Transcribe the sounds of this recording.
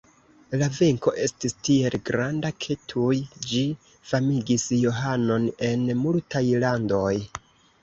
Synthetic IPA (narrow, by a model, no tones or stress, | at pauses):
lave̞ŋko̞ʔe̞stistie̞lɡɾandakʰe̞tʰujd͡ʒi | famiɡisjo̞ɦano̞ne̞nmultajlando̞j